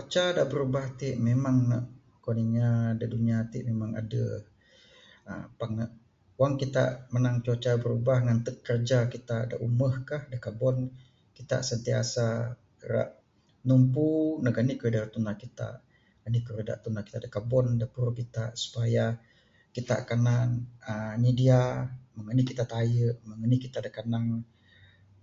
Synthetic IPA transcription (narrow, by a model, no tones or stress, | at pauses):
t͡ʃot͡ʃadaʔbəɾubaht̪iʔmemaŋnə̰ʔ | koniŋadaduniat̪ḭʔmemaŋa̰də̰ | ə̰paŋnəʔ | waŋkit̪a̰ʔmənaŋt͡ʃot͡ʃabəɾubahŋant̪əkkːərd͡ʒakit̪ada̰ʔuməhkahdakabɔn | kit̪a̰ʔsənt̪ia̰sa | ɾa̰ʔ | numpunaɡanikəɾədart̪unakit̪a̰ʔ | ɡanikəɾəda̰ʔt̪unaki̥t̪aʔdakabɔndapəɾukit̪aʔsu̥paja | kit̪a̰ʔkananənidiaməŋənikit̪aʔt̪ajəʔməŋənikit̪aʔdakanaŋ